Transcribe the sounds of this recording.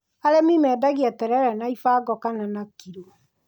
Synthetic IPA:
aɾɛmimɛdaɣiatɛɾɛɾɛnaifaːɡɔkananakiɾo

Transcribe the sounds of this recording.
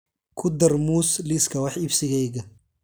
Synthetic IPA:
kʰʊd̪ɐrmuːsliskʰɐwɑħɪbsɪɣɛjɣɐ

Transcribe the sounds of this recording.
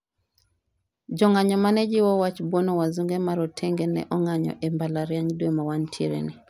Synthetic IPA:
d͡ʒɔŋaɲɔmanɛd͡ʒɪwɔwat͡ʃbwɔnɔwazuŋɡɛmaɾɔtʰeŋɡɛnɛ̰ʔɔŋaɲɔ̰ʔɛmbalaɾjaɲdwemawantʰeɾḛni

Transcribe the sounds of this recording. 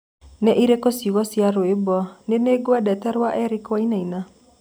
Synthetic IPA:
nɛʔiɾekosiɣɔsiaɾoebɔneneɡoadɛtɛɾwaʔɛɾikwainaina

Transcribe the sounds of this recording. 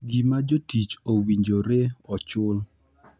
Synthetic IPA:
ɡimad͡ʒotit͡ʃowiɲd͡ʒoɾeɔt͡ʃʊl

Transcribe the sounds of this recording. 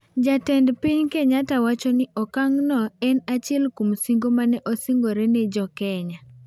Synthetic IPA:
d͡ʒatɛndpiɲkɛɲatawat͡ʃɔnɪʔɔkaŋnɔɛnat͡ʃɪɛlkumsiŋɡomanɛʔɔsiŋɡoɾɛnɛd͡ʒɔkɛɲa

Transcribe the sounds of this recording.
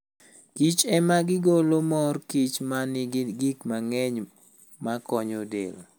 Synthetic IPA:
kit͡ʃɛmaɡɪɡolomɔrkit͡ʃmanɪɡikmaŋɛɲ | makɔɲodḛlo̰

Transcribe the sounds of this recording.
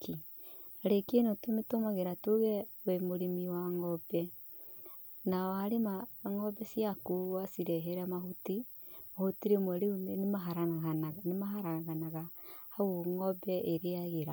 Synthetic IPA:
ki | aɾekenotometomaɣeɾatoɣɛwemoɾimiwaŋɔbɛ | naɔhaɾemaŋɔbɛsiakuwasiɾɛɦɛɾɛmahuti | mahutiɾemwaɾeunenemaɦaɾaaɣanaɣanemaɦaɾaɣaɣanaɣahaoŋɔbɛʔeɾeaɣeɾa

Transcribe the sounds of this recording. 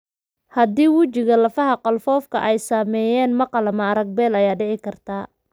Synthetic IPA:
hɐd̪iːwʊt͡ʃɪɣɐlɐfɐɦɐqɔlfɔːfkʰɐ̰ʔɛjsaːmɛːjɛːnmɐqɑlɐmɐɾɐɡ̚bɛːlɐjaːɖɪʕɪkʰɐrt̪ʰaː

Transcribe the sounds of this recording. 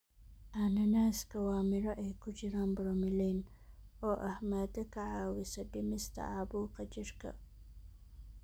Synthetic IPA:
ʔanɐnaːskʰɐwɑːmɪɾɐʔɛjkʰʊt͡ʃɪɾaːnbɾɔmɪlɛːn | ɔːʔɐhmaːd̪ɐkʰɐʕaːwɪsɐbɪmɪst̪ʰɐ̰ʕɑːbuːqɑt͡ʃɪrkʰɐ̰

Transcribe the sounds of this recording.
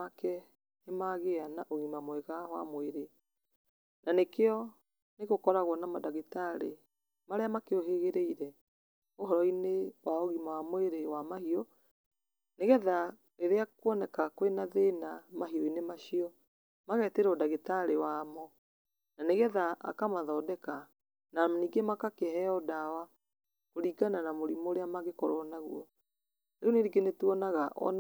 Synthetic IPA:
akɛ | nemaɣeanaʔoɣimamwɛɣahwa̰moeɾe | nanekeɔ | neɣokɔɾaɣwɔnamadaɣetaɾe | maɾeamakeoɦeɣeɾeiɾɛ | oɦɔɾɔinewaoɣimawamweɾewamahiɔ | neɣɛða | eɾeakwɔnɛkakwenaðeːnamaɦiɔinemaɕiɔ | maɣɛteɾɔdaɣetaɾewaːmɔ | naneɣɛðaʔa̰kamaðɔːdɛka | naniːɡemakakeɦɛɔdawa | koɾiːɡananamoɾimoɾeamaɣekɔɾɔnaɣwɔ | ɾeɔneɾiɡenetuɔnaɣaʔɔ̰n

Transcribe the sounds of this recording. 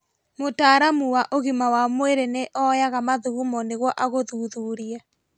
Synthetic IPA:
motaːɾamuwaʔoɣimawamweɾeneʔɔjaɣamaðuɣumɔneɣwɔʔaɣoðuðuɾia

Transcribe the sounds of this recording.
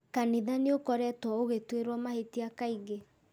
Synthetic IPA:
kaniðaneokɔɾɛtwɔoɣetweɾwɔmahetiakaiɣe

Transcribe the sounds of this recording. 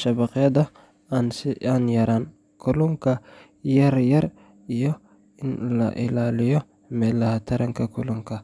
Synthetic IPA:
ʃɐbɐqɪjɐd̪ɐ | ansɪanjɐɾaːn | kʰʊlʊŋkʰɐ | jɐɾjɐɾ | ɪjɔ | ɪnlɐ̰ʔɪ̰laːlɪjɔ | mɛːlɐhɐt̪ʰɐɾʔɐŋkʰɐkʰʊlʊŋkʰɐ

